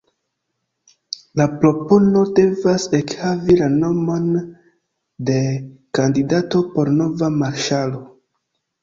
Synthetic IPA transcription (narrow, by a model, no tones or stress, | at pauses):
lapɾo̞pono̞de̞vase̞khavilano̞mo̞n | de̞kandidato̞po̞ɾno̞vamaɾʃalo̞